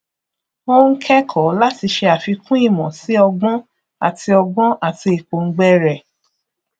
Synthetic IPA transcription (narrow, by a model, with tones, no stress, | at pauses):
o˦ŋ̩˦kʰɛ˦kʰɔ˨˦la˦ti˧ʃe˧a˨fi˧kʰũ˦i˦˨mɔ̃˨si˦ɔ˧ɡ͡bɔ̃˦ | a̰˨ti˧ɔ˧ɡ͡bɔ̃˦ʔa˨ti˧e˨k͡po˨ŋ̩˦ɡ͡bɛ˦ɾɛ˨